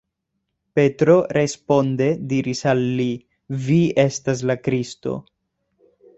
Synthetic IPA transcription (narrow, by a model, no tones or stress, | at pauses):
pe̞tɾo̞ɾe̞spo̞nde̞diɾisalːi | vie̞stas̬lakɾisto̞̰